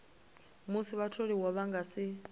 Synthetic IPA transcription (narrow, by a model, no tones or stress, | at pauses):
musiβatʰoɺiwɔβaŋɡasi